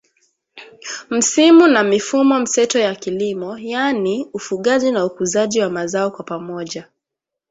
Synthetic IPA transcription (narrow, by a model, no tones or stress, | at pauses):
m̩simunamifumɔm̩sɛtɔjakilimɔjaniufuɠaʄinaukuzaʄiwamazaɔkwapamɔʄa